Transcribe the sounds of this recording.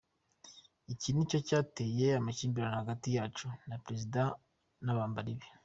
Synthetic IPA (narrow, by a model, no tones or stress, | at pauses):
icinico̞caːte̞ːje̞amaciːmbiɾanahaɡatijaːt͡ʃunapɾe̞zida | naβaːmbaɾiβe